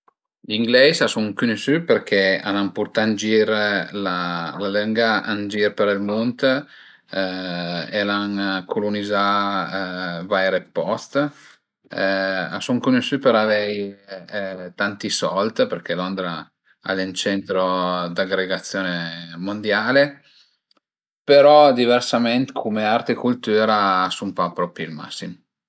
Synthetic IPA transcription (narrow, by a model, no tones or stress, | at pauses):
liŋɡlɛsasuŋkunisyperk̟ʰea̰nampurt̪and͡ʒiɾlalaləŋɡaʔand͡ʒiɾpeɾilmunt̪ | elankʰoluniza | vaɛɾepːɔst̪ | asoŋkoneʃypeɾavɛj | t̪ant̪isɔlt̪perk̟ʰɛlond̪ɾa | a̰lɛnt͡ʃɛnt̪ɾod̪aɡɾeɡat̪sːjoːnemond̪jaːle | peɾɔd̪iversamɛnt̪ekʰomeart̪ekult̪uːɾaːsumpapɾɔpilma̰sːim